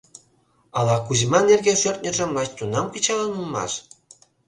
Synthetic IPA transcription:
ɑlɑkuzmɑnerɣeʃørt̪̚nʲə̆ʒə̆mlɑt͡ɕt̪unɑmkə̆t͡ɕɑlənulˠmɑ̰ʃ

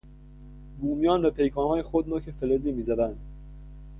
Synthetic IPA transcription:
buːmijɒːnbæpʰe̞jkʰɒːnhɒːjexod̪noːcʰefeleziːmiːzæd̪ænd̪̥

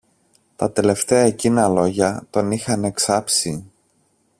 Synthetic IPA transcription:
t̪ɐt̪e̞le̞ft̪e̞ɐecinɐlo̞ʝɐt̪o̞nixɐne̞ksɐpsi

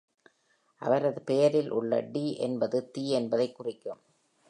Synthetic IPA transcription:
ʔɐ̰ʋɐɾɐðɯpɛjɐɾɪlʔʊɭːɐ̰ɖiːʔɛnbɐðɯt̪iːɛnbɐðɐɪkːʊrɪkːɯm

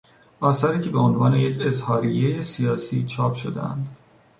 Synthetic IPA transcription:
ʔɒːsæɾiːcʰe̞be̞o̞nvɒːne̞je̞cʰe̞zhɒːɾije̞jesijɒːsḭːt͡ʃʰɒːpʰʃo̞d̪ḛæ̰nd̪̥

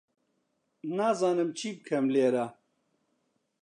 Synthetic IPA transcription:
naːzaːnɨmt͡ɕʰiːb̚kʰɐmleːɾa

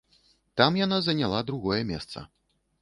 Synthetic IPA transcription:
t̪amjanazɐnʲalˠad̪ɾuɣɔjɛmʲɛst̪sɐ̰

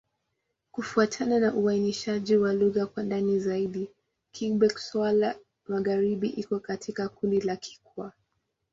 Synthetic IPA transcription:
kufuatʰananaʔuainiʃaʄiwaluɣakwandanizaiɗi | kʰiŋɓɛksala | maɣaɾiɓiʔikɔkatʰikakundilakʰi̥kua

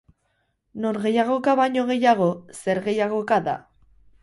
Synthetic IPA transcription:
noɾɣe̞jaɣ̞o̞kaβajɲo̞ɣe̞jaɣ̞o̞se̞ɾɣe̞jaɣo̞kaða̰

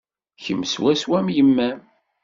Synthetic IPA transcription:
çəmːswæswæmjəmːæm

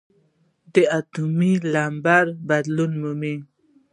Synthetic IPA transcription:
d̪əat̪umilambaɾbad̪lunmumi

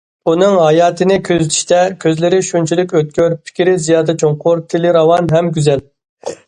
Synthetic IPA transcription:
unɨŋɦɑjɑːt̪ʰɨnɪkʲʰøzyt̪ʰi̥ʃt̪ɛkʲʰøzlɪɾɪʃunt͡ʃʰilykʲøt̪̚kʲøɾpʰi̥kʲʰiɾɪzijɑːd̪ɛt͡ʃʰoŋqʊɾt̪ʰɪlɪɾɑwɑnɦɛmɡʲyzɛl

